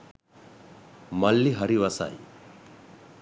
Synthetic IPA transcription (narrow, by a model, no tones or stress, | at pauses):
mɐlːiɦɐɾiʋɐsa̰ḭ